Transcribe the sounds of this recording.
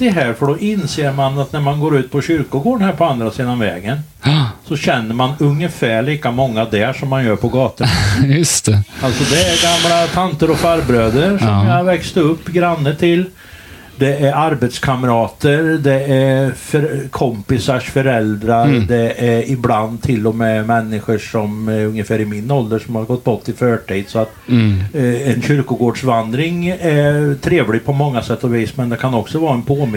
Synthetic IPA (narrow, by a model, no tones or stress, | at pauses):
d̪ɛɦæːɾfɔɖɔʔɪnseːɾmanat̪næɾmanɡoːɾʉ̟ːt̪̚pʰɔɕʏɾkʊɡoːɳhæːɾpʰɔand̪ɾasiːd̪aɔmvɛ̰ːɡən | sɔɕɛnːəɾmanɵŋːəfæːɭiːkamɔŋːad̪ɛʂɔmːanjœːɾpʰɔɡɑːt̪ənjɵst̪ɛalt̪sɔd̪ɛæɾɡamlat̪ʰant̪əɾɔfaɾbɾøːd̪əɾʂɔmjɑhaɾvɛkst̪ɵpːɡɾanːəʈ̪ʰɪl | d̪ɛæɾaɾbɛt̪skʰaməɾɑːt̪əɾd̪ɛæɾfœɾkʰɔmpɪsaʂfœɾɛld̪ɾaɾd̪ɛʔæɾɪbland̪t̪ʰɪlːɔmɛmɛnːɪɧəʂɔmɵŋjəfæːɾɪmɪnːɔld̪əʂɔmhaɾɡɔt̪̚ːbɔt̪ʰːɪlfœːʈʰiːd̪sɔat̪ | ɛnɕʏɾkʊɡoːɖʂvand̪ɾɪŋɛɾt̪ʰɾeːvlɪɡ̚pʰɔmɔŋːasɛt̪ʰːɔviːsmɛnd̪ɛkʰanɔksɔvɑːɛnpʰoːm